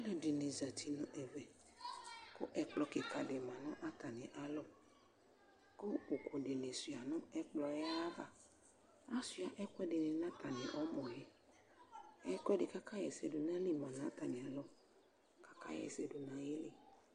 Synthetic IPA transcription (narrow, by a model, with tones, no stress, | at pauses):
a˦lɛ˨dɪ˨ne˨za˨t̪ʰi˨nɔ̃˨ʔɛ˨vɛ˨ | kʊ˦ʔɛ˨k͡plɔ˨˦kɪ˨ka˨dɪ˨mã˨nɔ̃˦ʔa˦t̪a˨nɪ̃˨ʔa˨lɔ˦ | kʊ˦u˨kʰo˨ɖɪ˨ne˨su˨a˨nɔ̃˦ɛ˦k͡plɔ˦jɛ˦a˦va˨ | a˦su˨˦a˨ʔɛ˦kʷɛ˦dɪ˨nɪ̃˨nã˦t̪a˨nɪ̃˨ʔɔ˦mɔ̃˨lɛ˦ | ɛ˦kwɛ˦dɪ˨ka˦ka˦jɛ˨sɛ˨dʊ˨nã˦li˦mã˨nã˦t̪a˨nɪ̃˨a˨lɔ˦ | ka˦ka̰˦jɛ̰˨sɛ˨dʊ˨nã˨je˦lɪ˦˨